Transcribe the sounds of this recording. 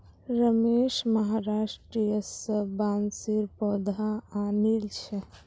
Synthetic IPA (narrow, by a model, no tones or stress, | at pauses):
ɾəmeːʃməɦaːɾaːʃʈɾijəsəbaːnsiɾpɔːd̪ʱaaːnilt͡ʃʰɛ